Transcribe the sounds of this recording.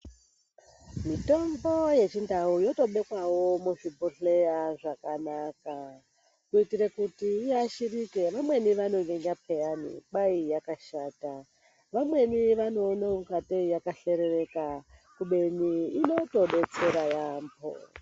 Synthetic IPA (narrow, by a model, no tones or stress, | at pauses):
mito̞mbo̞je̞t͡ʃindʱaujo̞to̞ɓe̞kwawo̞muʐibʱoɬe̞jaʐakanaka | kuitiɾekutiiaʃirike̞ʋamwe̞niʋanoŋeŋɡapʰejanḭɓaijakaʃaːta | ʋamwe̞niʋanoːnomukateijakaɬe̞ɾere̞kakuɓe̞niːno̞to̞ɓe̞t͡se̞ɾajaːmbo̰